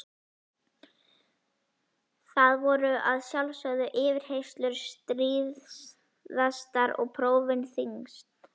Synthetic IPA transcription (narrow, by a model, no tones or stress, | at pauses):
θaðvɔɾʏʔaðsjalvsœðʏʔɪːvɪɾ̥hejst̪lʏɾ̥st̪ɾiːð | ðast̪aɾɔ̰ɣpʰɾoːwvɪnθiŋst̪